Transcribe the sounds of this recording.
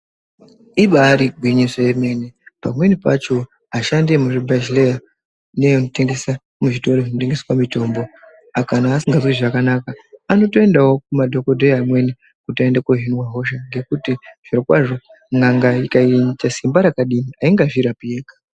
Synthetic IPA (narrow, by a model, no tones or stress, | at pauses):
iɓaːɾiɡʱwiɲisojeme̞nepamwe̞nipat͡ʃo̞ | aʃande̞muʐibʱezileja | neunote̞ŋɡe̞sa | muʐito̞roʐinoteŋɡeswamito̞mbo̞ | akanaːsiŋɡazoiʐakanakaːno̞toe̞ndawokumadʱo̞kodʱoamwe̞ni | kutoendakoɦinwaɦo̞ʃaŋɡe̞kutiʐ̥irokwaʐo̞ | ŋaŋɡaikaiɲt͡ʃasimbaɾakaɗiniaiŋɡaʐiɾapieːkḁ